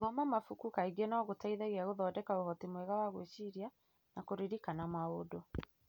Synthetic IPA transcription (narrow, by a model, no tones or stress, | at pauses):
ɣamamafukukaiɡenɔɣotaiðaɣiaɣoðɔːdɛkaoɦɔtimwɛɣawaɣweʃiɾja | nakoɾiɾikanamaodo